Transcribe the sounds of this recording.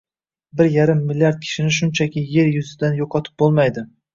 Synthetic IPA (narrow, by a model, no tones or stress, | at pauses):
bɪɾjaɾɪmːɪlʲːijaɾd̪̚kʲʰɪ̥ʃɪnɪʃ̬ʊnt͡ʃʰakʲɪje̞ɾjʊzɪd̪anjoqʰɒt̪ʰɪ̥p̚bolˠmajd̪ɪ